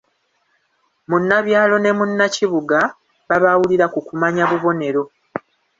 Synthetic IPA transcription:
munːaβjaːlo̞ne̞munːaciβuɡa | βaβawuliɾakukumaɲaβuβo̞ne̞ɾo̞

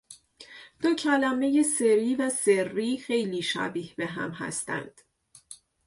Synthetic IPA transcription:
d̪̥ocʰælæme̞je̞se̞ɾiːvæse̞rːiːxe̞jliːʃæ̰biːhbe̞ɦæ̰mɦæ̰st̪æ̰nd̪̥

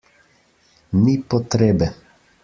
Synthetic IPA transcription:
mipɔt̪ɾeːbɛ

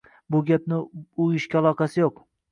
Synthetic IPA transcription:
bʊɡʲap̚nɪʊjɪʃkʲalˠɒqʰɑsɪjoq

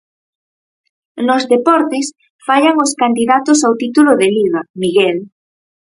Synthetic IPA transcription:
nozðepɔɾt̪ɪs | faʎaŋoskand̪iðat̪ʊsawt̪it̪ulʊðeliβamiɣɛl

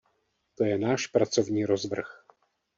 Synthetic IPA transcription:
t̪o̞jɛnaːʃpɾat͡so̞vɲiːɾozvr̩x

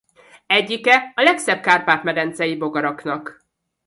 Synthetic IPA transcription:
ɛɟːikɛɒlɛksɛb̚kaːrpaːt̪mɛd̪ɛnt̪sɛjibo̞ɡɒɾɒknɒk

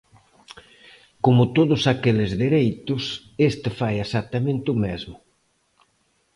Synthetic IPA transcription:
komʊt̪oðʊsakelɪzðeɾejt̪ʊs | est̪ɪfajesak̚t̪amẽnt̪ɪʊmezmʊ

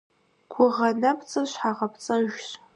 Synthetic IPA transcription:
kʷʰʊʁɐnɐpʰt͡sʼɨʃħaʁɐpʰt͡sʼɐʒɕ

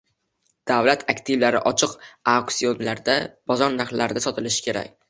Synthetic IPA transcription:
d̪̥avlat̪ʰakʲt̪ʰivlaɾɪʔɒt͡ʃʰɪqaksio̞nlaɾd̪ab̥ɒzɒɾnahlaɾɪd̪asɒt̪ʰɪlɪʃɪ̥kʲʰe̞ɾa̰kʲ

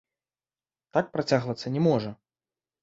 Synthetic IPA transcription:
t̪ak̚pɾat͡sʲaɣvɐt̪sːɐnʲɛmɔʐɐ

